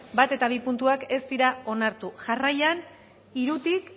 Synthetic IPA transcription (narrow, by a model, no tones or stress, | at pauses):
bat̪e̞t̪aβ̞ipunt̪uake̞st̪iɾao̞naɾt̪uʝarajan | iɾut̪ik